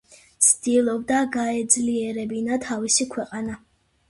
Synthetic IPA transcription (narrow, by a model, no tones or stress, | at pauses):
t̪sd̪̥ilˠɔb̚d̪aɡaɛd̪zliɛɾɛbinat̪ʰavisikʰwɛqʼana